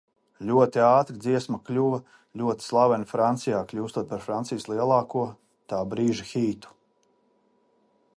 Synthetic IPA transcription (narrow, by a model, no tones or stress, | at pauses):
lʲuɔt̪iaːt̪ɾid̪ziɛsmaklʲuvɐ | lʲuɔt̪i̥slˠabanfɾant̪sijaːklʲuːst̪uɔt̪̚paɾfɾant̪sijslˠiɛlˠɑːkuɔ | t̪aːbɾiːʒaxiːt̪u̥